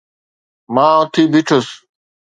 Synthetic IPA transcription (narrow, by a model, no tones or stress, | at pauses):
mãːʊt̪ʰiːbʱɪʈʰos